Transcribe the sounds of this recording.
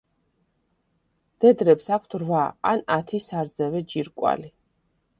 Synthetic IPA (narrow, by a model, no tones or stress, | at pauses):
d̪̥ɛd̪ɾɛpsakʷʰt̪ʰɾvaa̰nat̪ʰisaɾd̪zɛvɛd͡ʒiɾkʼwa̰li